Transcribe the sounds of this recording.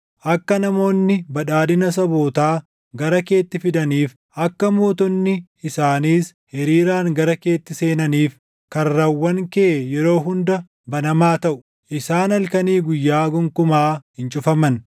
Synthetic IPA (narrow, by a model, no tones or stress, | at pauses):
ʔɐkːɐnɐmo̞ːnːɪbɐᶑaːd̪ɪnɐs̬ɐboːt̪aː | ɡɐɾɐke̞ːt̪ːɪfɪd̪ɐniːf | ʔɐkːɐmo̞ːt̪ɔnːɪ | ɪsaːniːs | hɛɾiːɾaːŋɡɐɾɐke̞ːt̪ːɪse̞ːnɐniːf | kɐrːɐwːɐŋkɛʔejɛɾo̞ːɦʊnd̪ɐ | bɐnɐmaːt̪ɐʔʊ̥ | ʔɪsaːnɐlkɐniːɡʊjːaːɡɔŋkʊmaːhɪnt͡ʃʼʊfɐmɐn